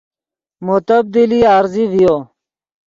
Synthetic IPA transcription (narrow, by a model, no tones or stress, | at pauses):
mut̪əb̚d̪iliːaːɾziːʋijoː